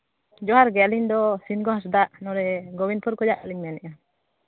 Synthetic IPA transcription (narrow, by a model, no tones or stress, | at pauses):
d͡ʒɔɦaɾɡɛliɲd̪ɔsinɡɔɦas̬d̪aʔnɔɾɛɡɔbinpʰuɾkɔd͡ʒaʔkaliɲmanɛʔa